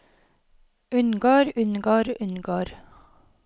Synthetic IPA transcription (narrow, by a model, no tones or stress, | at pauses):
ʉnɡoːɾʉnɡoːɾʉnɡoːɾ